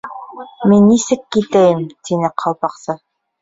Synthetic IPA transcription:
minːisɘkːit̪æjɘmt̪ʰinɘqʰɑlˠpɑqsɤ

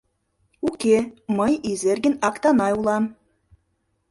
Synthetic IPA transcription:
ukʲemɤ̆jizerɡʲɘ̆nɑkt̪ɑnɑjulˠɑm

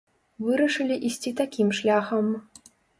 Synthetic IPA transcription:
vɨɾɐʂɨlʲiʔisʲt͡sʲit̪akʲimʂlʲaxɐm

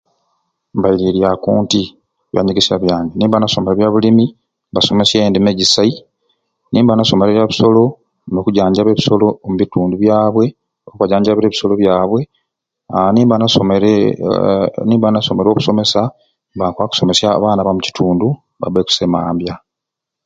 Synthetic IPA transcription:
mbajiɾiɾjakuːnti | βja̰ɲiɡisjaβjaːŋɡeniːmbanasomeeβjaβulimi | baso̞me̞sjendimeɟisai | niːmbanaso̞meɾeβjaβuso̞lo̞ | no̞kuɟaːɲɟaβeβiso̞lo̞muβituːnduβjaːβwe̞ | okuβaɟaːɲɟaβeɾeβi̥so̞lo̞βjaːβwe̞ | aniːmbana | niːmbanaso̞meɾo̞ːβuso̞me̞sa | bakwaku̥so̞me̞sjaβaːnaβamuci̥tʰuːndu | βa̰βeku̥semaːmbja

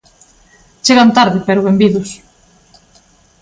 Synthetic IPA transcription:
t͡ʃeɣant̪aɾðɪpeɾoβembiðʊs

